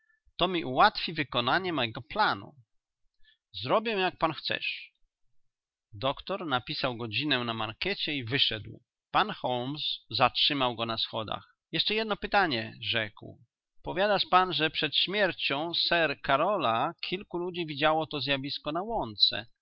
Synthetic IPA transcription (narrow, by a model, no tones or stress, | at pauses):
t̪ɔmʲiʔuwat̪fʲivɘkɔnaɲɛmɔjɛɡɔplanṵ | zɾɔbʲjɛw̃jak̚panxt̪sɛ̰ʂ | d̪ɔkt̪ɔɾnapʲisawɡɔd͡ʑinɛnamaɾkɛt͡ɕɛivɘʂɛ̰d̪w | panxɔlmszatʂɘmawɡɔnasxɔd̪a̰x | jɛʂt͡ʂɛjɛd̪̚nɔpɘt̪aɲɛʐɛkw | pɔvʲjad̪aʂpanʐɛpʂɛt̪ɕmʲjɛɾt͡ɕɔ̃w̃sɛɾkaɾɔlakʲʰilkulud͡ʑivʲid͡ʑawɔt̪ɔzʲjavʲiskɔnawɔnt̪sɛ̰